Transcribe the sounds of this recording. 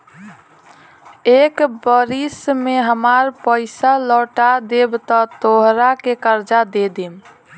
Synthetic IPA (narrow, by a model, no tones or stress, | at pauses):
ekbəɾismeɦəmaɾpəɪsalɔʈad̪ebt̪ɔt̪oɦɾakekəɾd͡ʒad̪ed̪im